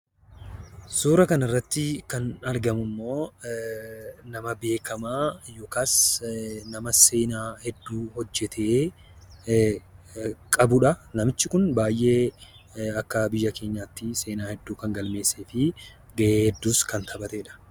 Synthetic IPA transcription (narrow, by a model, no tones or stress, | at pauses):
suːɾɐkɐnɐrːɐt̪ːɪkɐnɐɾɡɐmʊmːo̞ː | nɐmɐbe̞ːkʰɐmaːjokaːs | nɐmɐse̞ːnaːhɛd̪ːuːhɔd͡ʒːɛt̪ʰe̞ː | kʼɐbʊᶑɐnɐmɪt͡ʃːɪkʊnbaːjʔe̞ː | ɐkːɐbɪjːɐke̞ːɲːaːt̪ːɪse̞ːnaːhɛd̪ːuːkɐŋɡɐlme̞ːseːfɪ | ɡɐʔeːhɛd̪ːuːskɐnt̪ʰɐbɐt̪ɛᶑɐ̥